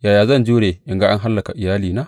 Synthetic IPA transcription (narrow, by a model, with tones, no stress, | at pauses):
jaː˨jaː˨zɐ˦˨nd͡ʒu˦ɽeː˨ʔɪ˨ŋɡa˦ʔa˦ŋɦa˦lːɐ˨ka̰˨ʔɪ˨jaː˦liː˨naː˦